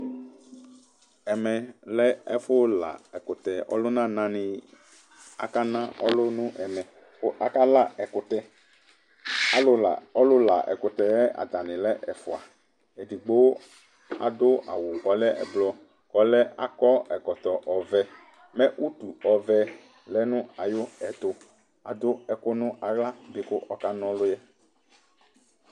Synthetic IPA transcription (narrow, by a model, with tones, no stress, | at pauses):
ɛ˨mɛ̃˨lɛ˦ɛ˦fʊ˦la̰˨ɛ˨kʊ˨t̪ɛ˨ʔɔ̰˦lʊ˦nã˦nã˦nɪ̃˨ | a̰˨ka˦nã˦ʔɔ̰˦lʊ˦nũ˦ʔɛ˨mɛ̃˨ | ko˦ʔa˨ka˦la˦ɛ˨kʊ˨t̪ɛ˦ | a˦lʊ˦la̰˨ɔ˦lʊ˦la˨ʔɛ̰˨kʊ˨t̪ɛ˨ɛ˦ʔa̰˨d̪a˨nɪ̃˨lɛ˦ʔɛ˨fʊ˨a˨ | e˨di˨ɡ͡bo˦w | a̰˨d̪ʊ˦ʔa̰˨wʊ˨kɔ˨lɛ˦ɛ̰˨blɔ˨ | kɔ˨lɛ˦ʔa˦kɔ˦ɛ˨kɔ˨t̪ɔ˨ʔɔ˨vɛ˦ | mɛ˦ʔu˦t̪u˨ɔ˨vɛ˨ | lɛ˦nʊ̃˦a˨jʊ˦ɛ˨t̪ʊ˨ | a̰˨d̪ʊ˦ɛ˨kʊ˦nʊ̃˦a˨ɣla˦bɪ˨kʊ˦ʔɔ˦ka˦nɔ̃˨˦lʊ˦jɛ˦